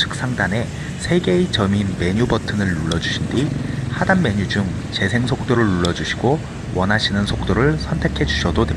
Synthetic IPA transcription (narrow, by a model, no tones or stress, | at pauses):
t͡ɕʰɯ̥k̚s͈aŋdane̞ | sʰe̞ɡe̞it͡ɕʌminme̞ɲubʌtʰɯnɯɭːuɭːʌd͡ʑuɕʰindihadanme̞ɲud͡ʑuŋ | t͡ɕe̞sʰe̞ŋsʰok̚t͈oɾɯɭːuɭːʌd͡ʑuɕʰi̥ɡo | wʔʌnɦaɕʰinɯnsʰok̚t͈oɾɯɭsʰʌntʰe̞kʰe̞d͡ʑuɕʰʌdotwe